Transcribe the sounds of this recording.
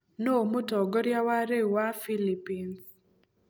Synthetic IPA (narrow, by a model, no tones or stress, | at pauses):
nomotɔɡɔɾjawaɾewafilipins